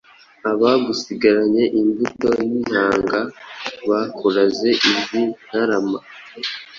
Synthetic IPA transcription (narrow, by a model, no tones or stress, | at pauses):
aβaɡusiɡaɾaɲe̞ʔimbuto̞nin̥haːŋɡaβakʰoɾaze̞ʔizin̥haɾama